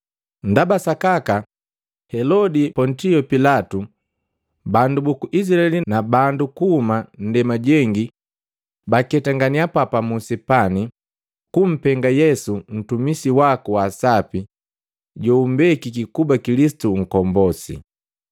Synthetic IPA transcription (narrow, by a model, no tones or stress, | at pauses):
ndabasakaka | hɛlɔdipɔntiɔpilatu | bandubukuʔis̬ɾaɛlinabandukuhuman̩dɛmaɟɛŋɡi | bakɛtaŋɡaniapapamusɛpani | kum̩pɛŋɡajɛsun̩tumisiwakuwasapi | ɟɔumbɛkikikubakilisi̥tuŋ̩kɔmbɔsḭ